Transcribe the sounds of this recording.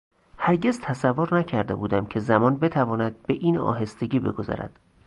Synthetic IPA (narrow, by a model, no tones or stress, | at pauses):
hæɾɟe̞zt̪ʰæsævːoɾnæcʰæɾd̪e̞̰buːd̪æmcʰe̞zæmɒːnbe̞t̪ʰævɒːnæd̪̥̚beʔiːnɒ̰ːɦe̞st̪e̞ɟiːbe̞̰ɡo̞zɒ̰ɾæ̰d̪̥